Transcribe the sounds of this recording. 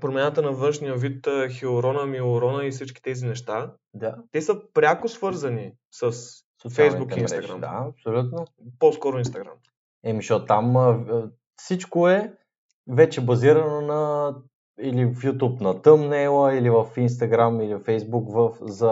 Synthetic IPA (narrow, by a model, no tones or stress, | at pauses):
pɾomʲjanət̪ənɐvɤnʃnijəvit̪əxiʊɾɔnəmiʊɾɔnəisit͡ʃk̟i̥t̪ɛzinɛʃt̪a | d̪at̪ɛsəpɾʲjakʊsvɤɾzɐni | səs | sot̪sfɛalzˠnbuk̪ɛimnɡ̪ɾa̰md̪a̰ɐpsolʲut̪noposkɔɾʊinst̪ɐɡɾa̰m | ɛmiʃot̪am | fsit͡ʃkoɛ | vɛt͡ʃɛbɐziɾɐnonɐ | ilifjut̪upnɐt̪əmnɛlˠəilivəfins̬t̪ɐɡɾamilifɛjzbukvəfzɐ